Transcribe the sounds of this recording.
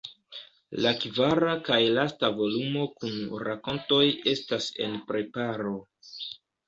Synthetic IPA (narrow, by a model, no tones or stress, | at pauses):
lakvaɾakajlastavo̞lumo̞kunɾako̞nto̞je̞stase̞̰npɾe̞paɾo̞